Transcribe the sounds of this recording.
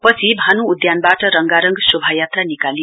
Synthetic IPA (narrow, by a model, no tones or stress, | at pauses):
pʌt͡sʰibʱanuːd̪janbaʈʌɾʌŋɡaɾʌŋɡsubʱajat̪ranikali